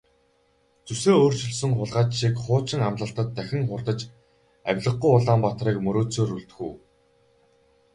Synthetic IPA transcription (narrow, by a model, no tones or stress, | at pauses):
t͡suseːoːr̥t͡ɕɵ̆ɮsɵ̆ŋχʊɮʁaːt͡ɕʃikχʊːt͡ɕɪ̆ŋamɮə̆ɬt̪ə̆t̪ːæxʲɪ̆ŋχʊrt̪ə̆t͡ɕ | æ̰wʲɮə̆χ̚ujʊɮaːmpat̪riːkmɵɾoːt͡soːruɬt̪ɵ̥̆xuː